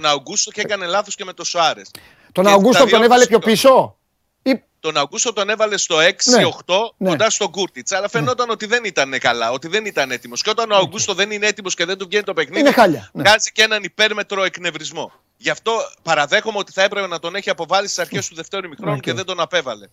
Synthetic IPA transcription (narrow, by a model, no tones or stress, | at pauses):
t̪onɐoɡust̪o̞cekɐne̞lɐθo̞sceme̞t̪o̞soɐɾe̞s | t̪onɐoɡustoonevɐlepço̞piso̞ | i | t̪o̞nɐoɡust̪o̞t̪o̞ne̞vɐle̞st̪o̞e̞ksio̞xt̪o̞nod̪ɐst̪o̞ɡuɾt̪it͡sɐlɐfe̞no̞t̪ɐno̞t̪iðe̞nit̪ɐnekɐlɐo̞t̪iðe̞nit̪ɐne̞t̪imosceot̪ɐnoɐɡust̪o̞ðe̞nineet̪imosce̞ðe̞nd̪uvʝe̞nit̪ope̞xniðneixɐʎɐvɣɐzice̞nɐnipe̞ɾme̞t̪ɾo̞e̞kne̞vɾizmo̞̰ | ʝɐft̪o̞pɐɾɐðe̞xomeo̞t̪i̥θɐe̞pɾepe̞nɐt̪o̞ne̞çiɐpo̞vɐlisi̥sɐɾçest̪uðe̞ft̪e̞ɾuumixɾo̞nuceðe̞nd̪o̞nɐpe̞vɐle̞